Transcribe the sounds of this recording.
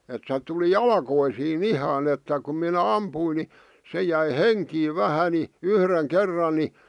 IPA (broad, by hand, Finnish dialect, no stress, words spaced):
et se tuli jɑlkoisiːn ihɑn etːæ kum minæ ɑmpuin ni se jæi heŋkiːʋ ʋæhæ ni yhreŋ kerːɑn ni